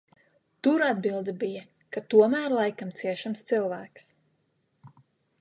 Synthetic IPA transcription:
t̪uɾad̪bilˠd̪abija | kat̪uɔmæːɾlˠajkamt̪siɛʃamst̪silˠvæːks

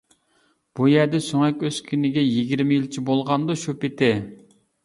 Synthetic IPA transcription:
b̥ujæɾd̪ɛsoŋɛkʲøskʲʰynɪɡʲɛjiɡʲiɾmɪjilt͡ʃʰibolˠʁɑnd̪oʃupɪt̪ɪ

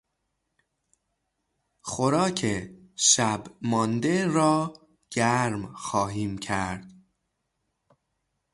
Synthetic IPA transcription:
xoɾɒːcʰeʃæbmɒːnd̪eɾɒː | ɟ̥æɾmxɒːɦiːmcʰæɾd̪̥

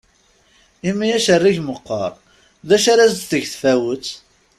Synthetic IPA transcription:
imijæʃərːiʝməqːə̰ɾˤ | ðæʃaɾæzt̪θəʝθfæwət͡sː

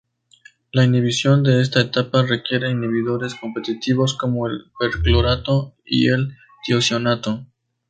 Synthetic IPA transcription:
lainiβisjo̞nd̪e̞e̞s̬t̪aet̪apare̞kje̞ɾe̞iniβiðo̞ɾe̞sko̞mpe̞t̪it̪iβo̞sko̞mo̞elpeɾkloɾat̪oḭel | d̪̥josjo̞nat̪o

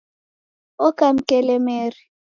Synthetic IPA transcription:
ɔkam̩kɛlɛmeːri

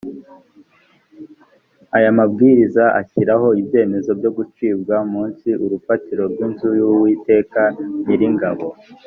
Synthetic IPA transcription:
ajamab̚ɡiːɾizaʔa̰çiɾaɦo̞ibje̞ːme̞zo̞bjo̞ɡut͡ʃiːbɡamuːnsiʔuɾufatiɾo̞bɡwinzujuwiːte̞ːkaniɾiŋɡaβo̞

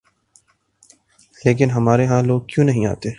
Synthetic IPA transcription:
leːk̬ɪnɦɐmaːɾeɦãloːɡ̚kjũːnɐɦĩa̰ːt̪eː

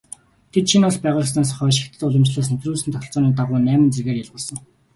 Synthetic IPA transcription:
t̪ʰet̪ʃʰinʊɮpæːʁʊːɮə̆s̬naːsχœːʃɪ̆kt̪ʰɘ̆t̪ʊɮə̆mt͡ɕɮaːs̬nt̪ʰruːsɘ̆nt̪ʰœxʲɪ̆ɬt͡sɔːniːt̪aʁʊːnæːmə̆nt͡serɣeːrjaɮʁʊːɮsə̆ŋ

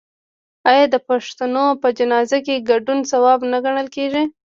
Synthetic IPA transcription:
ɑjɑd̪əpaʂt̪anopəd͡ʒanɑzakeɡaɖunsawɑbnaɡaɽ̃əlkeʒi

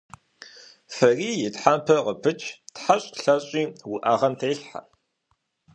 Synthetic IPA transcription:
fɐriːjɪtħaːmpʰɐqəpʰɨt͡ʃʰtħaɕʼɬɐɕʼiːwʊʔaːʁɐmtʰeːɬħa̰

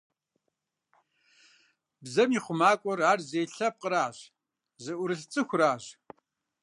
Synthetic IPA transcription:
bzɐmiːχʷʊmaːkʷʼɔraːrzeːɬɐp̚qəɾaːʑ | zɨʔʷʊɾɨɬt͡sʼɨxʷraːʑ

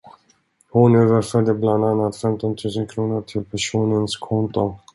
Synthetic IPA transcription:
hʊnøːvəɾfœɖəbland̪anːat̪fɛmt̪ɔnt̪ʰʉ̟ːsənkʰɾuːnʊʈʰɪlpʰæʂuːnənskʰɔnt̪ʊ

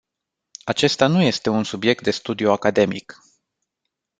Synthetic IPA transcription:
at͡ʃe̞st̪anuje̞st̪e̞unsubje̞k̚t̪̚d̪e̞st̪ud̪iuakad̪e̞mḭk

